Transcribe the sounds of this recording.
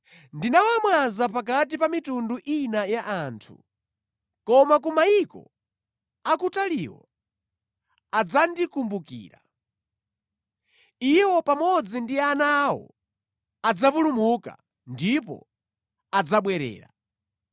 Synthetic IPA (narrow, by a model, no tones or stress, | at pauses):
ndinawamwazapak̬at̬ipamitunduʔinajaʔaːntʰṵ | kɔmakumaikɔ̰ | akutaliwɔ̰ | ad͡zandikumbukḭːɾa̰ | iwɔpamɔd͡zindianawɔ̰ | ad͡zapulumuka̰ | ndipɔ̰ | ad͡zaɓwɛɾɛ̰ːɾa̰